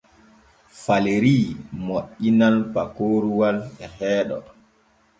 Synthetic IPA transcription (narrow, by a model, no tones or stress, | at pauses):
faleɾiːmoʔinalpakoːɾuwalɛhɛːɗɔ̰